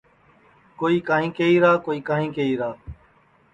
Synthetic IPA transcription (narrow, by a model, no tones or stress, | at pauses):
koːiːkaːɦĩːkeiːɾaːkoːiːkãːɦĩːkeiːɾaː